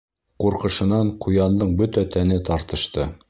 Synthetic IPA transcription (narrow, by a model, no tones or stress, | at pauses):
quɾqɤ̆ʃɤ̆nɑɴqʰujɑnd̪ɤɴbɵt̪æt̪ænɘt̪ɑɾt̪ɤ̆ʃt̪ɤ